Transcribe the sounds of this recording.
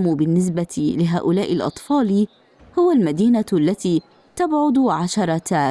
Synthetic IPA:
mubɪnːɪs̬bat̪lɪɦaːʔʊlaːʔɪlʔɑ̰t̪ˤfɑːl | hʊwalmad̪iːnalːat̪iː | t̪abʕʊd̪ʕaʃɑɾˤɑt̪aː

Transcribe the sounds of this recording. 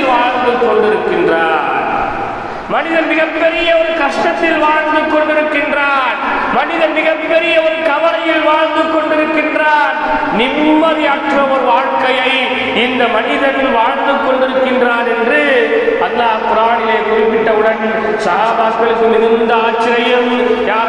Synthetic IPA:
lʋaːɻnd̪ɯkːɔɳɖɪɾɯkːɪndraːn | mɐnɪðɐɾmɪɣɐppɛɾɪjɐɔɾɯkɐʂʈɐt̪ːɪlʋaːɻnd̪ɯkːɔɳɖɪɾɯkːɪndraːn | mɐnɪðɐɾmɪɣɐppɛɾɪjɐɔɾɯkɐʋɐɾɐjɪlʋaːɻnd̪ɯkːɔɳɖɪɾɯkːɪndraːn | nɪmːɐðiɐʈrɐɔɾɯʋaːɻkɐjɐɪ | ɪnd̪ɐmɐnɪðɐɾɪlʋaːɻnd̪ɯkːɔɳɖɪɾɯkːɪndraːɾɛndrɯɐlːaːpʊɾaːɽɪleːkʊɾɪpːɪʈːɐʋɯɽɐn | sɐɦaːbaːskɐlɯkːɯmɪðɪnd̪ɐaːt͡ʃːɪɾɐjɯmjaː

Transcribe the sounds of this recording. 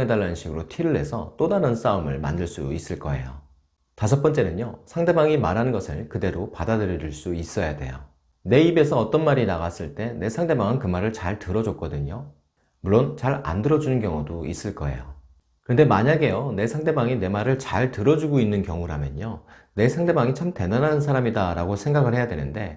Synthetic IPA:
ŋedaɭːanɯnɕʰiɡɯɾotʰiɾɯɭɦe̞sʰʌ̰t͈odaɾɯns͈aɯmɯ̰ɭma̰ndɯɭs͈uis͈ɯɭk͈ʌ̰e̞̰jo | tasʰʌp͈ʌnt͡ɕ͈e̞nɯɲosʰaŋde̞baŋimaɾɦanɯnɡʌsʰɯɭkɯde̞ɾopadadɯɾjʌɾiɭs͈uis͈ʌjade̞̰jo | ne̞ibe̞sʰʌːt͈ʌnmaɾinaɣas͈ɯɭt͈e̞ne̞sʰaŋde̞baŋɯnkɯmaɾɯɭt͡ɕaɭtɯɾʌd͡ʑok͈̚ʌdɯɲo | muɭːont͡ɕaɾa̰ndɯɾʌd͡ʑunɯnkjʌŋudois͈ɯɭk͈ʌe̞̰jo | kɯɾʌnde̞maɲaɡe̞jone̞sʰaŋde̞baŋine̞maɾɯɭt͡ɕaɭtɯɾʌd͡ʑuɡoinːɯnkjʌŋuɾa̰mjʌ̰ɲo | ne̞sʰaŋde̞baŋit͡ɕʰamte̞nanansʰaɾamidaɾaɡosʰe̞ŋɡaɡɯɭhejadwe̞nɯnde̞

